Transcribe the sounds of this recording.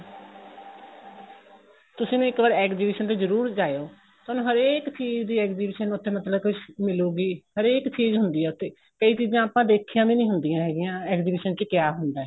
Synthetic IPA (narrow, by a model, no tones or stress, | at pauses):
t̪ʊsĩːnũːɪkʋəɾɛːkziːbɪʃənt̪eːzəɾuːɾd͡ʒaːejoː | t̪oːnũːɦəɾeːkt͡ʃiːzd̪iːɛːkziːbɪʃənʊt̪ʰːeːmət̪ləbkʊʃmɪloːɡiːhəɾeːkt͡ʃiːzɦʊnd̪iːɛːʊt̪ʰːeː | kəiːt͡ʃiːzãːaːpãːd̪eːkʰijãːmĩːnĩːɦʊnd̪ijãːɦɛːɡɪjãːɛːkziːbɪːʃənt͡ʃkɪjaːɦʊnd̪aːɛː